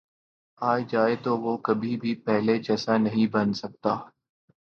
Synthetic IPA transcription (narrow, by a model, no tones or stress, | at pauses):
aːed͡ʒaːet̪oːʋoːkɐbʱibʱipɛɦlet͡ʃɐsãnɐɦĩbɐnsɐk̚t̪aː